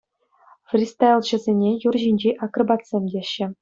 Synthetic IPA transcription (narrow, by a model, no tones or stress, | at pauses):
frʲist̪alʲˠʑɘ̆zʲenʲejurʑinʲd͡ʑeʔɑkrɤ̆bɑt̪sʲemʲdʲeɕːɘ̆